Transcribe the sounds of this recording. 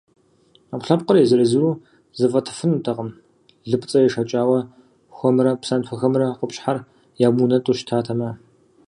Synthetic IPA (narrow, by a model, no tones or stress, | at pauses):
apɬɐp̚qərjɛzɨɾɨzɨɾuː | zɨfɐtʰɨ̥fɨnutʰɐqəm | ɮɨpʼt͡sʼɐjɛʂɐt͡ʃʼaːwɐ | xʷɔmrɐpsantʷʰɐxɐmrɐqəpɕħar | jaːmunɐtʼuʃtʰaːtʰɐmɐ